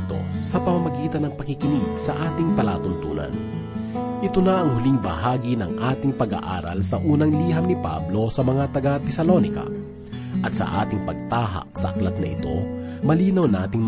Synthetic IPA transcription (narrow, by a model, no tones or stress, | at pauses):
t̪o̞̰sɐpɐmɐmɐɡiːt̪ɐnːɐŋpɐkɪkɪniɡsɐʔaːt̪ɪŋpɐla̰ːt̪ʊnt̪ṵːnɐ̰n | ʔɪt̪onɐʔɐŋhʊliŋbɐ̰haːɡinɐŋʔaːt̪ɪŋpɐɡa̰ʔa̰ːɾɐ̰lsɐʔuːnɐŋliːɦɐmnɪpa̰blosɐmɐŋat̪ɐɡat̪ɛsɐlonɪkɐ̰ | ʔɐt̪̚sɐ̰ʔa̰ːt̪ɪŋpɐɡ̚t̪aːɦɐ̰ksɐ̰ʔɐklɐt̪̚nɐʔɪ̰t̪o̞̰mɐliːnɐwnaːt̪ɪŋm